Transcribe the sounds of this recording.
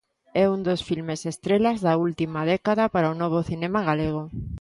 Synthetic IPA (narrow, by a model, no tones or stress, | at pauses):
ɛund̪osfilmesest̪ɾelazðault̪imað̞ɛkaðapaɾaonɔβ̞oθinemaɣaleɣ̞o